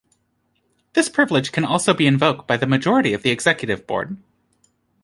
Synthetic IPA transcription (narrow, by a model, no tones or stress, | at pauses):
ðɪspʰɹ̥ɪvlˠɨd̥ʒ̥kʰɨ̃nɔlˠsoʊbiɨ̃ɱvoʊk̚t̚b̥aɪðɨmɨd͡ʒɔɹɨɾiʌvðiɨɡz̥ɛkjɨɾɨvbɔ̰ɹd̥̚